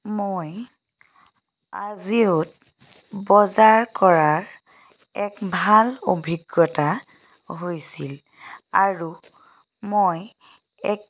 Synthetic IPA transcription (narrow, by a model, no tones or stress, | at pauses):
moj | a̰ziut̚ | bɔzaɹkɔɹaɹ | ɛkbʱalo̰bʱiɡːɔta | ɦojsil | aɹu | moj | ɛk̚